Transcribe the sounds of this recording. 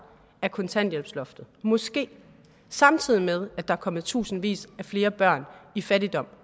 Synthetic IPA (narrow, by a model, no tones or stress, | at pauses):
æɐkʰɔ̽nt͡sʰæn̰̥jelb̥slɔ̽fd̥ð̩ˠmɒ̽sɡ̥e̝̰ː | sɑ̈mt͡sʰið̰ˠimeð̞ˠæd̥ɑ̈æɐkʰɒ̽mð̩ˠt͡sʰṵːsn̩ʋḭːsæfle̝ːɐb̥ɶɐ̰nifæɾid̥ɒ̽m̰